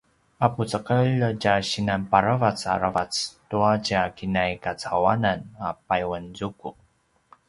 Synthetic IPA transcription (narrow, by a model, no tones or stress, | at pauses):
aput͡səqəʎɟaɕinanpaɾavat͡sa̰ɾavat͡stuacakinajkat͡sawananapajwənzuku